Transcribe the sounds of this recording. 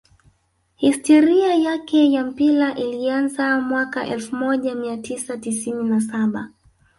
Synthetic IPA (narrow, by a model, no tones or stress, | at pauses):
histɔɾiajakɛjam̩pilaʔilianzamwakaʔɛlfumɔʄamiatʰisatisininasaɓa